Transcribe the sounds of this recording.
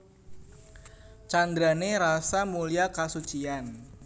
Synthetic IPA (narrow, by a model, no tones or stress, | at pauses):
t͡ʃand̪ɾaneɾasamuliakasut͡ʃian